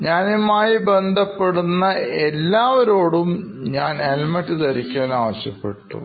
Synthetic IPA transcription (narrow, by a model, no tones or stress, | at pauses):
ɲaːnimaːjibe̞nd̪ʱɐpːe̞ɽunːɐelːaːʋɐɾoːɽum | ɲaːnelmɐʈːit̪ɐɾikʲːaːnaːʋɐɕjɐpːe̞̰ʈːṵ